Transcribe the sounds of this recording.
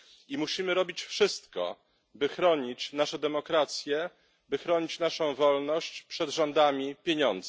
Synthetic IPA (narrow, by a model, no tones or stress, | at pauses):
imuɕimɘɾɔbʲit͡ɕfʂɘst̪kɔ̰ | bɘxɾɔɲit͡ɕnaʂɛd̪ɛmɔkɾat̪sʲjɛ | bɘxɾɔɲit͡ɕnaʂɔ̃w̃vɔlnɔɕt͡ɕpʂɛd̪ʐɔnd̪amʲipʲjeɲɔnd̪z